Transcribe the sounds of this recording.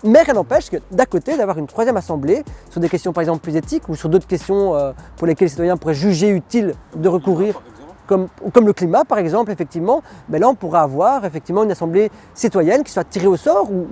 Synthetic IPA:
mɛʁjɛ̃nɑ̃pɛʃkəd̪akot̪ed̪avwaʁynt̪χwazjɛmasɑ̃blesyʁd̪ekʲɛst̪jɔ̃paʁɛɡzɑ̃pləplyzet̪ikusyʁd̪ot̪χə̥kʲɛst̪jɔ̃øpuʁlekʲɛlːes̬it̪wajɛ̃puʁɛʒyʒeyt̪ild̪əʁəkuʁiːʁ | kɔmkɔmləklimapaʁɛɡzɑ̃plefɛk̚t̪ivmɑ̃bɛlaɔ̃puʁaːvwaʁefɛkt̪ivmɑ̃ynasɑ̃ble | sit̪wajɛnkʲi̥swat̪iʁeosɔʁu

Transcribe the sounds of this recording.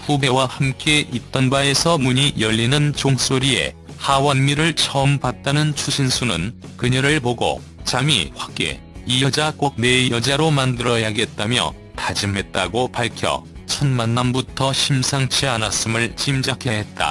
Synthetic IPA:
ɸube̞wahamk͈e̞ʔit̚t͈ʌnbae̞sʰʌmuɲijʌʎːinɯnt͡ɕoŋs͈oɾie̞̰ | hawanmiɾɯɭt͡ɕʰʌmpat̚t͈anɯnt͡ɕʰuɕʰinsʰunɯ̰nkɯɲʌɾɯɭpoɡo̰ | t͡ɕamḭɸwak̚k͈ḛ | ijʌd͡ʑak͈ok̚ne̞jʌd͡ʑaɾomandɯɾʌjaɡɦet̚t͈amjʌ̰ | tad͡ʑɯmɦe̞t̚t͈aɡopaɭkʰjʌ̰t͡ɕʰʌnmanːanbutʰʌɕʰimsʰaŋt͡ɕʰianas͈ɯmɯɭt͡ɕimd͡ʑakʰeɦe̞t̚t͈a̰

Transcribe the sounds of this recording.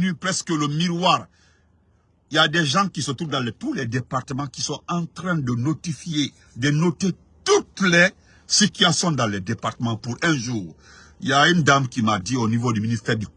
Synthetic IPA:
nypɾɛskələmiʁwaːʁ | iljad̪ɛʒɑ̃kisət̪ɾuvd̪ãlɛt̪ulɛd̪epaʁt̪əmɑ̃kisɔ̃ɑ̃t̪ɾɛ̃d̪ənot̪ifje | d̪ənot̪e | t̪ut̪lɛ | sit̪ɥɛsjɔ̃d̪ãlɛd̪epaʁt̪əmɑ̃puɾɛ̃ʒuːʁ | iljaynd̪amkimad̪ionivod̪yminist̪ɛːʁd̪y

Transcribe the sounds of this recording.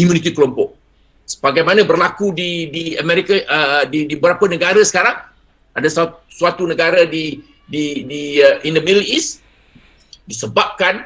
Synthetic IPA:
umjunit̪̬ikəlɔmpɔʔ̚ | sə̥baɡajmanãbərlakudidiəmɛɾikaʔdidibəɾapənəɡaɾasə̥kaɾaŋ | adassuat̪unəɡaɾadi | didiəʔindəmidəlis | disəbap̚kan

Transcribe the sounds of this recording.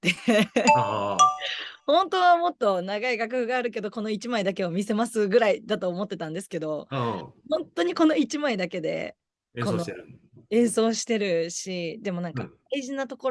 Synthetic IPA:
t̪e | hõ̞nt̪o̞βamo̞t̪ːo̞naɡaiɡak̬ɯ̟hɯ̟ɡaːɾɯ̟ke̞d̪o̞ko̞no̞it͡ɕimaid̪ake̞omʲise̞masɨɡɯ̟ɾaid̪at̪o̞ːmo̞t̪ːe̞t̪ãnd̪esɨ̥ke̞d̪o̞hõnt̪o̞ɲ̟iko̞no̞it͡ɕimaid̪ake̞d̪e̞̰ | ko̞no | ẽ̞ɰ̃so̞ːɕi̥t̪e̞ɾɯ̟ɕid̪e̞mo̞nãŋka̰ | aiʑinat̪o̞ko̞

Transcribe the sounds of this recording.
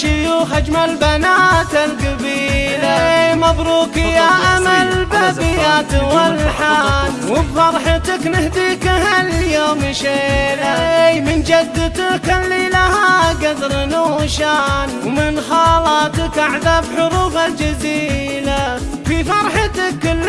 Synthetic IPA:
ʃʊjuːxad͡ʒmalbanaːt̪alkabiːlamad̪ɾuːkɪjaʔamalbabɪjaːt̪wɪlħaːnwɪbfɑɾˤħat̪aknɪhd̪iːkahaljoːmʃeːlamɪnd͡ʒad̪ːɪt̪akalːilahaɡad̪ɾnuʃaːnwmɪnxɑːlɑːt̪akʔaʕðabħʊɾuːfald͡ʒaziː | la | fifɑɾˤħat̪akɪlː

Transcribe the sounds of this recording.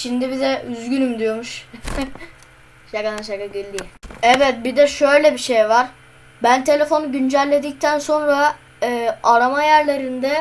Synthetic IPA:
ʃind̪ibizɛyzɡynymd̪ijo̞ɾmuʃ | ʃaɡanaʃaɡaɡilʲːiɛvɛt̪̚bid̪ɛʃø̞jlʲɛbiʃejvaɾ̥ | bænt̪ʰe̞lʲe̞fo̞nuɟynd͡ʒælʲːe̞d̪ic̚t̪ʰænso̞nɾa | ɯːaɾamajæɾlʲeɾind̪ɛ

